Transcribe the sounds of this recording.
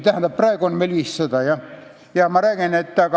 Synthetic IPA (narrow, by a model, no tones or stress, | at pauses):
t̪æhænd̪ɑprɑikonmelʋissɑt̪ɑjɑ | jɑmɑræˑkenet̪ːæːˑkɑ